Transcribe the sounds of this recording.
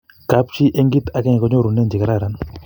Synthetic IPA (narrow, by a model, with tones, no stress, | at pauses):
ka˨˦pt͡ʃi˦ʔe˦ŋɡi˦t̪a˨kɛ˦ɲ˨kɔ˦ɲo˦ɾu˨nːe˦˨nd͡ʒi˨ka˦ɾa˦˨ɾa˨˦n